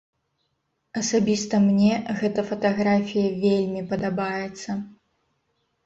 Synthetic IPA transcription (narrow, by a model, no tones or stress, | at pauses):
ɐsabʲist̪ɐmnʲɛɣɛt̪ɐfɐt̪aɣɾafʲijɐvʲelʲmʲipɐd̪abajɛt̪sːɐ